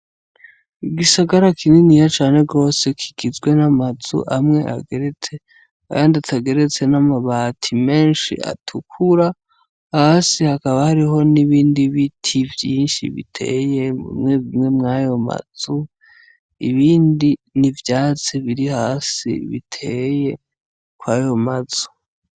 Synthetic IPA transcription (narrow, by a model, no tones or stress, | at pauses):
iɡisaɡaɾakʰininijat͡ʃaːne̞ɡo̞ːse̞kʰiɡizɡwe̞namazṵʔamŋe̞ʔa̰ɡeɾet͡se̞ | kandataɡe̞ɾe̞t͡se̞namaβaːtʰime̞ːnʃḭʔa̰tʰukʰuɾa | hasihakaβahaɾiɦo̞niβiːndiβitʰivjiːnʃḭβḭtʰe̞̰ːje̞mṵmŋeβimŋe̞mŋajo̞ma̰z̥u | iβiːndinivjaːt͡seβiɾihaːsḭβḭtʰe̞je̞ | kwaːjo̞maz̥u̥